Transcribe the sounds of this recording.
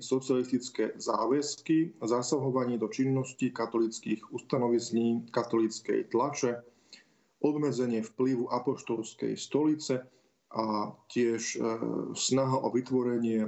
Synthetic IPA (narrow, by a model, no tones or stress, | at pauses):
sɔt͡sialist̪it͡skɛza̰ːʋɛskizasaɦɔʋaɲɪɛd̪ɔt͡ʃinːɔscikat̪ɔlit͡skiːɣust̪anɔʋisɲiːkat̪ɔlit͡skɛ̰jt̪lat͡ʃɛ | ʔɔb̪mɛd͡zɛɲɪɛfpliʋuʔapɔʃt̪ɔlskɛ̰jst̪ɔlit͡sɛ | ʔacɪɛʃ | snaɦaʔɔʋit̪ʋɔɾɛɲɪɛ